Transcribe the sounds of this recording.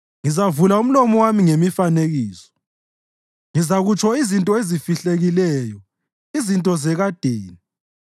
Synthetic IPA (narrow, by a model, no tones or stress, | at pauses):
ŋizavulaum̩lɔmɔwamiŋemifaneɣiːsɔ̥ | ŋizaɣut͡ʃʰʼɔizintʼɔezifiɬeɣilɛːjɔ | izintʼɔzɛɣad̥ʱeːni